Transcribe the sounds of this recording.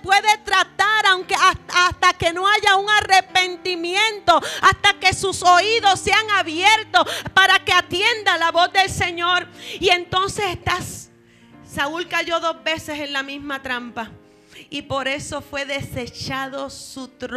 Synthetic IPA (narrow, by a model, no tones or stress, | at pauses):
pwe̞ðe̞t̪ɾat̪aɾawŋkeaast̪ake̞no̞aʝauŋarepe̞nt̪imjẽ̞nt̪o̞ast̪ake̞suso̞iðo̞sːe̞aŋaβjeɾt̪opaɾake̞at̪je̞nd̪alaβo̞zðe̞lse̞ɲo̞ɾie̞nt̪o̞nse̞sest̪asː | aulkaʝo̞ðo̞zβe̞se̞se̞nlamizmat̪ɾampa | ipo̞ɾe̞so̞fwe̞ðe̞se̞t͡ʃaðo̞sut̪ɾ